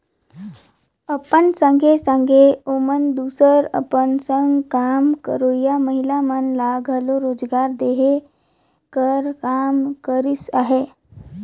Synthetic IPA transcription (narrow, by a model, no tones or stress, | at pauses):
əpənsə̃ŋɡʱesə̃ŋɡʱeomənd̪uːsəɾə̰pənsə̃ŋɡkamkəɾojaməɦilamənlaɡʱəloɾoːd͡ʒɡaɾd̪eɦe | kəɾkamkəɾisaɦe